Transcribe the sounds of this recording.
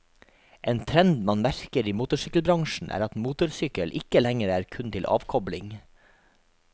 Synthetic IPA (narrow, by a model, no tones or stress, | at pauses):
ʔeːnt̪ʰɾɛnd̪mɑnmæɾkəɾiːmuːt̪ʊʂʏkəlbɾɑŋʃɳ̩ʔæ̰ːɾɑt̪muːt̪ʊɾsʏkəlʔɪkəlɛŋəɾæːɾkʰʉnt̪ʰɪlʔɑ̰ːʋkʰɔblɪŋ